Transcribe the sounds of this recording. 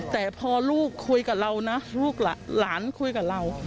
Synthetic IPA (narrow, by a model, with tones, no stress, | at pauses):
t̪ɛː˨˩pʰɔː˧luː˥˩kʰːu˧jka˨˩ɾa˧wna˦˥luː˥˩k̚la˨˩laː˩˦nkʰu˧jka˨˩ɾa˧w